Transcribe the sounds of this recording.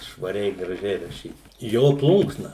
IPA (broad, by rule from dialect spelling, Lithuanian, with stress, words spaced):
ʃʋɐˈrʲɛɪ ɡrɐˈʒʲɛɪ rɐˈʃʲiːt ˈjoː ˈplˠʊŋksnɐ